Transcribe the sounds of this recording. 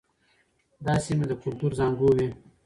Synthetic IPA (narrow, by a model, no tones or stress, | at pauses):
d̪ɑsimed̪əkʊlt̪uɾzɑŋɡuwi